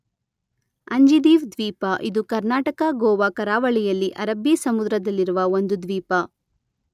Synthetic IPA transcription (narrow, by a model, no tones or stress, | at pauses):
ɐɲd͡ʒid̪iːʋd̪ʋiːpɐʔid̪ukɐɾnaːʈɐkɐɡɔːʋɐkɐɾaːʋɐɭijɐlːiʔɐɾɐbːisɐmud̪ɾɐd̪ɐlːiɾuʋɐond̪ud̪ʋiːpɐ